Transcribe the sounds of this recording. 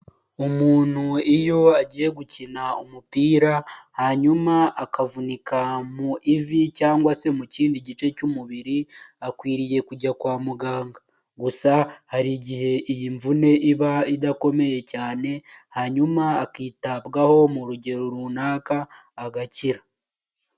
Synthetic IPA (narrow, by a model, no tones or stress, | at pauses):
omuːn̥huijo̞aɟiːje̞ɡucinaumupiːɾahaɲumaakavunikʰamuʔivicaːŋɡwase̞muciːndiɟit͡ʃe̞cumuβiɾiakwiːɾije̞kuɟakwaːmuɡaːŋɡa | ɡusahaɾiɟihe̞ijiɱvune̞ʔiβaidako̞me̞jecaːne̞haɲumaːkiːtabɡaho̞muɾuɟe̞ɾoɾunaːkaːɡaciɾa